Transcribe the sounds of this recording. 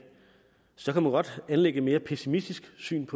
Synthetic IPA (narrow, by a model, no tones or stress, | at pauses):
sɒ̽kʰæmænɡ̥ɒ̽d̥ænleɡ̥əme̝ːɐpʰesimisd̥isɡ̥sy̰ːnpʰɒ̽